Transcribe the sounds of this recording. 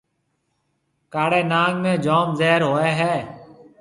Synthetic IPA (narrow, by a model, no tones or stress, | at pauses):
kaːɽeːnaːɡmẽːd͡ʒoːmzɛːɾɦoːeːɦɛː